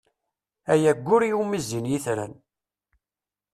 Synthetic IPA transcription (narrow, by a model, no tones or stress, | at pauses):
æjæɡʷːʊɾijumizːinjiθɾæ̰n